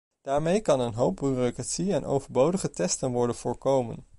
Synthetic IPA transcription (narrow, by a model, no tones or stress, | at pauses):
d̥aːɹmejkɑnənɦowp̚byrokratsiɛnʔo̰wvəɹbowdəχətɛstənʋɔɹdənv̥ʊːɹkowmə̰n